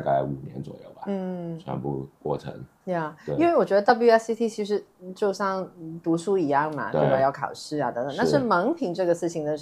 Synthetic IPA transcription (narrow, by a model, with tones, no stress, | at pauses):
ka˥˩ɪu˨˩njɛ̰˧˥nt͡swɔ̰˨˩jo̰˥˩ʊbɐ˨n̩˥˩t͡ɕʰɥɛ̰˧˥npṵ˥˧kwɔ̰˥˩ʈ͡ʂʰə̰˧˥ŋ | ja˥˩˥i˥˧nwe˥˩wɔ˨˩t͡ɕɥɛ˧˥d̪ə˧t̪ɑ˥˧p̬lju˥ɛ˥si˥t̪ʰi˥˩t͡ɕʰi˧˥ʂ̬ɻ̩˧˥t͡ɕjo˥˧ʊɕɑ˥˩ŋt̪u˧˥ʂu˥˩i˧˥jɑ˥˩ŋmɐ̰˩t̪e˥˩˧wa˨˩jɑ˥˩ʊkʰɑ̰˨˩ʊʂɻ̩˥˩aɐ˨˩t̪ə˧˥ŋt̪ə˨˩˦n˥˩ʂɻ̩˥˩mə˧˥ŋpʰi˧˥ŋʈ͡ʂɤ˥˩ɡə˩sɹ̩˥˩t͡ɕʰi˧˥ŋd̪ə˧